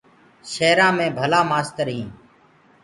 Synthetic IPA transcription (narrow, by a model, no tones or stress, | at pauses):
ʃeːɾãːmẽːbʱəlaːmaːst̪əɾɦĩː